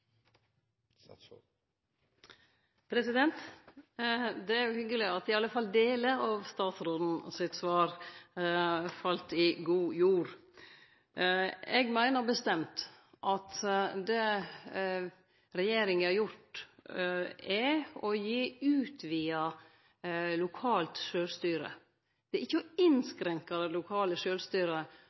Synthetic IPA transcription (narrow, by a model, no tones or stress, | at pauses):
pʰɾɛsɪd̪ɛnt̪ | d̪ɛæɾjʊhʏɡəlɪɑt̪ɪɑləfɑld̪eːləɾɑːʋst̪ɑːt̪sɾoːd̪n̩sɪt̪sʋɑːɾ | fɑlt̪ɪɡuːjuːɾ | ɛɡmæɪnəɾbəst̪ɛmt̪ | ʔɑt̪d̪ɛ | ɾɛjeːɾɪŋɑɾjʊʈ | ɛɔjiːʉːt̪ʰʋiːɑ | lʊkʰɑːlt̪ʃøːlst̪yːɾə̰ | d̪̥ɛʔɪçːəɔɪnskɾɛŋkɑɾəlʊkʰɑːləʃøːlst̪yːɾə